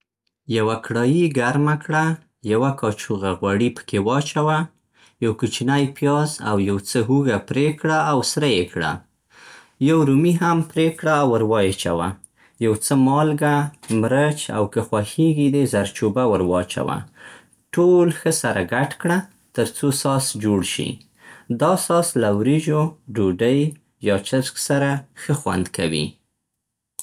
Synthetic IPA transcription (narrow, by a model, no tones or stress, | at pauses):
jawakɽɑjiɡaɾmakɽa | jawakɑt͡ʃuɣaɣwaɽipə̥kewɑt͡ʃawa | jawkut͡ʃinajpjɑza̰wjawt͡səɦuɣapɾekɽaːwsɾajekɽa̰ | jawɾumiɦampɾekɽaːwəɾwɑjet͡ʃa̰wa̰ | jawt͡səmɑlɡamɾət͡ʃa̰wkəxwaxeɡid̪ezaɾt͡ʃubawəɾwɑt͡ʃa̰wa̰ | ʈolxəsaɾaɡaʈkɽa | t̪əɾt͡sosɑsd͡ʒoɽʃḭ | d̪ɑsɑslawɾiʒoɖuɖəj | jɑt͡ʃasksaɾaxəxwa̰nd̪kawḭ